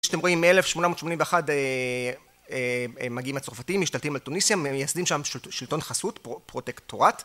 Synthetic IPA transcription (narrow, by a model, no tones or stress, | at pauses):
ʃḁtemʁo̞imːeelefʃmo̞namo̞tʃmo̞nimveχade | emaɡiimat͡sofatimiʃt̪alt̪imaltunisjameejasdimʃamʃʃilto̞nχasutpopʁo̞tektoʁat